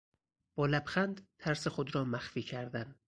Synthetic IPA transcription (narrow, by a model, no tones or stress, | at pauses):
b̥ɒːlæbxænd̪t̪ʰæɾsexod̪ɾɒːmæxfiːcʰæɾd̪æn